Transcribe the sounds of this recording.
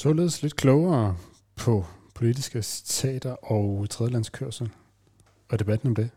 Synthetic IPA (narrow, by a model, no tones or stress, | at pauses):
sɒ̰ːle̝ːð̞ˠsle̝d̥̚kʰlɔʊɐː | pʰɒ̽pʰo̝lid̥isɡ̥əst͡sʰɛ̰ːd̥ɐʔɒʊt͡sʰʁɛðˠlænskʰøɐ̰sl̩ | ɒ̽d̥e̝b̥æd̥n̩ɒ̽md̥e̝